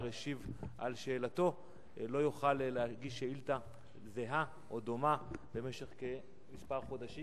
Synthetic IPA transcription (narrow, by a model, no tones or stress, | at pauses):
ʁeʃivʔa̰lʃe̞ːlat̪o̞ | lo̞juχalleaɡiʃeilta | zeɦa | ʔod̪omabe̞me̞ʃe̞χke | mispaʁχo̞d̪aʃi